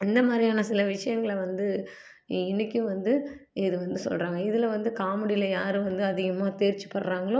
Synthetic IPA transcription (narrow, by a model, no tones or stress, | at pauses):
ɪnd̪ɐmaːd̪ɾijaːnɐsɪlɐʋɪʂɐjɐŋɡɐɭʋɐnd̪ɯ | ɪnːɪkʲːɯ̃ʋɐnd̪ɯɪðɯʋɐnd̪ɯsɔ̰lraːŋɡɐɪðɪlɐʋɐnd̪ɯkaːmɐɽɪlɐjaːɾɯʋɐnd̪ɯɐðɪɣɐmaːt̪eːɾt͡ʃːɯ̥pɐɽɾaːŋɡɐɭoː